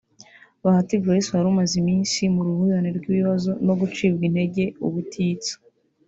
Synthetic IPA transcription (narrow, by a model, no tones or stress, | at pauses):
βahatiɡwajesuhaɾumazimiːnsimuɾuhujaneɾɡwiβiβazo̞no̞ɡut͡ʃiːbɡin̥he̞ɟe̞uβutʰiːt͡so̥